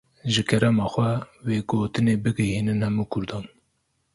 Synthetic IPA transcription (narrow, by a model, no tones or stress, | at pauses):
ʒɨkʰɛɾɛmɑːxʷɛweːɡoːt̪ɨneːbɨɡɛhiːnɨnhɛmuːkʰʊɾd̪ɑːn